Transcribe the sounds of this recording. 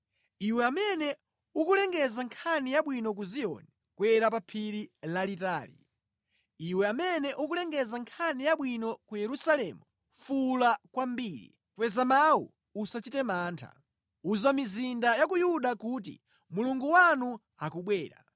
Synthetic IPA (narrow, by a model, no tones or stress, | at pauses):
iwɛamɛnɛ | ukulɛŋɡɛzaŋkʰanijaɓwinɔk̬uziɔ̰nɛ | kwɛɾap̬apʰiɾilalitaːlḭ | iwɛamɛnɛʔuk̬ulɛŋɡɛzaŋkʰanijaɓwinɔkujɛɾusalɛmu | fulakwambiːɾḭ | kwɛzamawṵ | usat͡ʃitɛmaːntʰa̰ | uzamizindajakujuɗakuːt̬ḭ | muluŋɡuwanu | akuɓwɛːɾa̰